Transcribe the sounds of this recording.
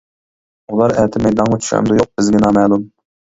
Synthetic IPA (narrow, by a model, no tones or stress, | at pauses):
ulˠɑɾɛt̪ʰɪmɛjd̪ɑnʁɑt͡ʃʰy̥ʃɛ̰md̪ujoq̚b̥ɪzɡʲɪnɑmɛːlˠum